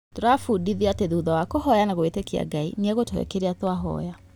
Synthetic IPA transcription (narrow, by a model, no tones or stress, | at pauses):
toɾafudiðiateðuːðawakohɔjanaɣoetekia̰ɡainiaɣotoɛ̰keɾeatwaɦɔ̰ja